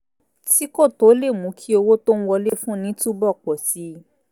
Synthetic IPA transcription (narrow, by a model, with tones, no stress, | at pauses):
ti˦ko˦˨to˨˦le˦˨mũ˨˦kʰi˦o˧wo˦to˦n̩˦wɔ˧le˦˨fũ˦nĩ˨˦tu˦bɔ˦˨k͡pɔ˨si˨˦